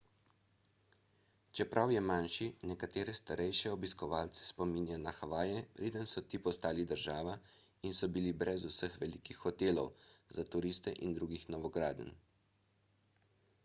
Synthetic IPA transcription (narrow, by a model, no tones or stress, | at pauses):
t͡ʃɛpɾʔawjɛmanʃinɛkat̪eːɾɛst̪aɾʔɛjʃɛɔbiskɔʋaːlt̪sɛ̥spɔmiːnjanaxaʋaːjɛpɾʔeːd̪ənsɔt̪iːpɔst̪aːlid̪əɾʒaːʋa | insɔbilibɾɛzusəxʋɛlikixːɔt̪eːlɔ̰wzat̪uɾiːst̪ɛʔind̪ɾuːɡixnɔʋɔɡɾaːd̪ə̰n